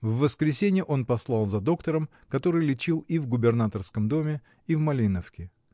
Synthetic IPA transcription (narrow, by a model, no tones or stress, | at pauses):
vːəskɾʲɪsʲenʲɪjəʔo̞npɐslˠɑlˠzɐd̪o̞kt̪əɾəm | kɐt̪o̞ɾɨjlʲɪt͡ɕilˠivɡʊbʲɪrnat̪ərskəmd̪o̞mʲɪ | ivmɐlʲinəfkʲɪ